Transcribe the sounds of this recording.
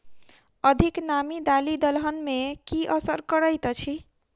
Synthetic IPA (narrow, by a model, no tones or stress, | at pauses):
əd̪ʱiknamid̪alid̪əlɦənmekiʔəsəɾkəɾəjt̪t͡ʃʰi